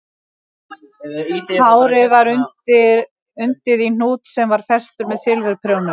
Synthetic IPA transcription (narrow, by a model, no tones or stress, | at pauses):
aːwɾɪvaɾʏnt̪ɪ | ʏnt̪ɪðin̥uːt̪sɛmvaɾ̥fɛst̪ʏɾmɛðsɪlvʏɾpʰɾjownʏ